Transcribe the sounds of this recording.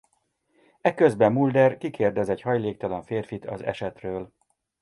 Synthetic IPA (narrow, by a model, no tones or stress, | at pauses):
ɛkøzbɛmːuld̪ɛrkikʰeːrd̪ɛzɛɟhɒjleːkt̪ɒlɒɱfeːrfit̪ʰɒ̰zɛ̰ʃɛt̪røːl